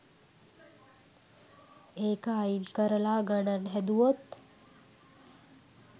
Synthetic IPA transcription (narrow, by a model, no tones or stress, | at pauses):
eːkaːinkəɾəlaːɡəɳənɦɛd̪uʋot̪